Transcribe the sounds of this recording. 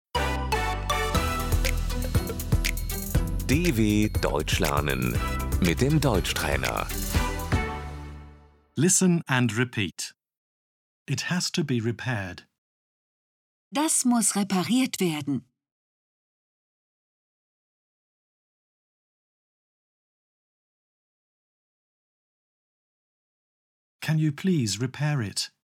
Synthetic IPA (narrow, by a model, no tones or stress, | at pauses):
d̥eːveːd̥ɔ̰ʏt͡ʃlɛ̰ɐnə̰nmɪt̚d̥eːmdɔʏt͡ʃtʁ̥ɛ̰ːnɐ̰ | lɪsə̃nə̃nɹɪpʰiˑt | ɪthəz̥tʰəbiɹɪpʰɛːd̥ | d̥asmʊsʁepaʁiːɐtv̥eːɐdn̩ | kʰə̃njəpʰl̥iːzɹɪpʰɛːɹɪt